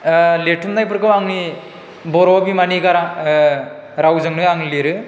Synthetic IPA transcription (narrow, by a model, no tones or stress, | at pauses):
letʰumnajpɯɾkɯwaŋni | bɔɾɔbimaniɡaɾa | ɾawzɯŋnɯjaŋileɾɯ